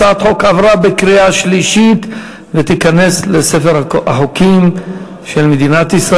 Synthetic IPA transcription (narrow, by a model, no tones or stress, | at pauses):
at̪ħokavʁabekʁiaʃliʃit̪ | vet̪ikane̞slesefeʁa̰ħokim | ʃelmed̪inat̪isʁa